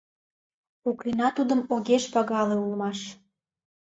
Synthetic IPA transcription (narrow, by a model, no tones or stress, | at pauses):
uklinɑt̪ud̪əmoɣeʃpɑɣɑleulmɑʃ